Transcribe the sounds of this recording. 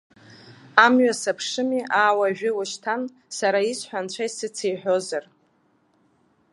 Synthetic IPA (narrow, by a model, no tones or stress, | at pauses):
amɥasapʰʂɨmiʔaːwaʒᶣɪwaʃtʰan | saɾaisħʷᶣant͡ɕʷʰajsɨt͡sʰejħʷᶣo̞zar